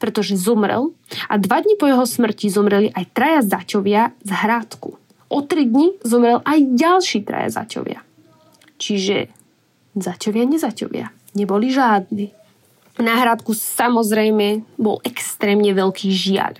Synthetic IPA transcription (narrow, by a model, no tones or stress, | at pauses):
pɾɛt̪ɔʒɛzɔmɾɛ̰lʔad̪ʋad̪ɲipɔjɛɦɔsmr̩cizɔmɾɛliʔajt̪ɾajazacɔʋɪazɦɾaːt̪kṵ | ʔɔt̪ɾid̪ɲizɔmɾɛlʔajɟalʃiːt̪ɾa̰ja̰za̰cɔ̰ʋɪa̰ | t͡ʃiʒɛ̰ | zacɔʋɪaɲɛzacɔ̰ʋɪa̰ | ɲɛbɔliʒaːd̪niː | naɦɾaːt̪kusamɔzɾɛjmɛbɔ̰lʔɛkst̪ɾɛːmɲɛʋɛlkʰiːʒɪa̰ʎ